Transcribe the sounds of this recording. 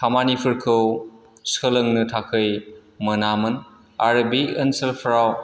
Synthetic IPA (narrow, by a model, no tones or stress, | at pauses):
kʰamanipʰɯɾkʰɯw | sələŋnɯtʰakʰɯjmɐnamɯn | aɾbiənselpʰɾaw